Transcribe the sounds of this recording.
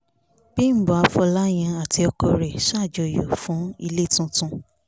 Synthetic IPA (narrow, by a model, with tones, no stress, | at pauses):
b̥i˦˨bɔ˨a˧fɔ˧la˦j̃ã˧a˨ti˧ɔ˧kɔ˧ɾɛ˨ʃa˦˨d͡ʒɔ˨jo˨fũ˨˦i˧le˦˨tũ˧tũ˧